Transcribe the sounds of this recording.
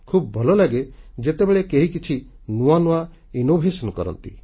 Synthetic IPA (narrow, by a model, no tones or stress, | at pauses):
kʰubɔbʱɔlɔlaɡed͡ʒet̪ebeɭekeɦikit͡ʃʰi | nuanua | inobʱesɔnɔkɔɾɔ̰nt̪ḭ